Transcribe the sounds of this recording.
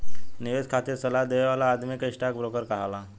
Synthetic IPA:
niʋeskʰat̪iɾsəlad̪eʋʋalaːd̪mikiʂʈak̚bɾokəɾkəɦala

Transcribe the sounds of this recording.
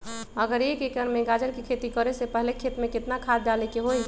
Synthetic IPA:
əɡəɾjekekɾəɾmẽɡad͡ʒəɾkikʰet̪ikəɾesepəɦlekʰet̪mẽkɪt̪nakʰad̪̚d͡ʒalekeɦoi

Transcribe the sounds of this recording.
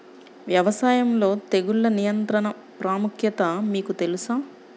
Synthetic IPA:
ʋjɐʋɐsaːjɐmlo̞ːt̪eɡuɭːɐnijɐnt̪ɾɐnɐ | pɾaːmukʰjɐt̪ɐmiːkut̪e̞lusaː

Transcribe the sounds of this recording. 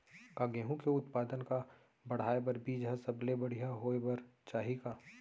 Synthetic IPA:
kaɡeːɦũkeʊt̪paːd̪ənka | bɐɽ̤aːebɐɾbiːd͡ʒɦɛsɐblebɐɽ̤ijaɦoːebɐɾt͡ʃaːɦikaː

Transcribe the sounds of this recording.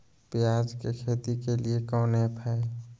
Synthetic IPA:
pjaːd͡ʒkekʰeːt̪ikeliekɔ̃ːnepʰae

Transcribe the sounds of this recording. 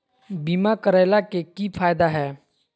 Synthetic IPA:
biːmakəɾaɪlakekipʰaːjd̪aɦɛː

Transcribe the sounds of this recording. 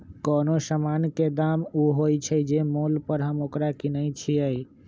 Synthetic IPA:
kɔnosəmanked̪amuɦojt͡ʃʰəjd͡ʒemolpəɾɦəmokɾakinəɪt͡ʃʰiəj

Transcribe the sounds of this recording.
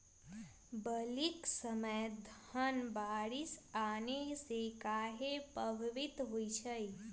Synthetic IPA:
bəliksəməjd̪ʱhənbaɽisanejsekaɦepəbʱʋit̪ɦoit͡ʃʰəj

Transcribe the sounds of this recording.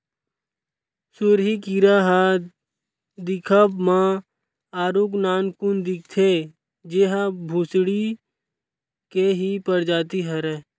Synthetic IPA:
sʊɾɦikiɾaɦa | d̪ɪkʰəbmã | aːɾuknaːnkund̪ɪk̚ʰt̪ʰe | d͡ʒeɦabʱusɽi | keɦipəɾd͡ʒaːt̪iɦəɾɛ

